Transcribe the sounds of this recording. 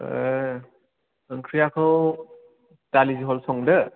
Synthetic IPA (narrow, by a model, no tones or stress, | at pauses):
ɯŋkʰɾijakʰɯw | taliziɦɔlsɔŋdɯ